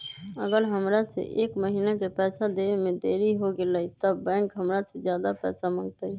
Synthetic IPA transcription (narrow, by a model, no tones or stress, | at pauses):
əɡəɾɦəmɾasḛʔeːkməɦinakepɛːsad̪eemẽd̪eːɾiɦoɡeləit̪əbːɛ̃ːŋkɦəmɾased͡ʒjaːd̪apɛːsamə̃ŋɡt̪əi